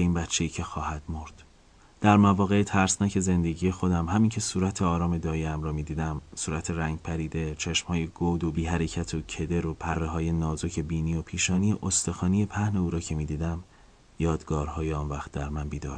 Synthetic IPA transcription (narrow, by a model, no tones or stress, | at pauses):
iːnbætt͡ʃʰːe̞jiːcʰe̞xɒːhæd̪̥mo̞ɾd̪̥ | d̪̥æɾmævɒːɣe̞t̪ʰæɾsnæcʰe̞ze̞nd̪eɟije̞xo̞d̪æmhæmincʰe̞suːɾæt̪ʰeɒːɾɒːme̞d̪ɒːjeæmɾɒːmiːd̪iːd̪æmsuːɾæt̪ʰeɾæŋɟ̚pʰæɾiːd̪e̞t͡ʃʰeʃmhɒːje̞ɡoːd̪obiːɦæɾe̞cʰæt̪ʰocʰe̞d̪e̞ɾopʰærːeɦɒːje̞nɒːzo̞cʰe̞biːniːopʰiːʃɒːnijeʔost̪e̞xɒːnijepʰæhne̞uːɾɒːcʰe̞miːd̪iːd̪æm | jɒːd̪ɡɒːɾhɒːjeɒːnvæχt̪̚ʰd̪æɾmænbiːd̪ɒ̰ːɾ